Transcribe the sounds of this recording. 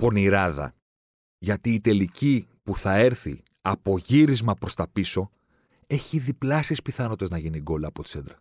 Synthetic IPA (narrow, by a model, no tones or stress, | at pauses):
po̞niɾɐðɐ̰ | ʝɐt̪iːt̪e̞lici | puθɐe̞ɾθi | ɐpo̞ʝiɾizmɐpɾo̞st̪ɐpiso̞ | e̞çiðiplɐsispiθɐno̞t̪eznɐʝiniɡo̞lɐːpo̞t̪i̥sed̪ɾɐ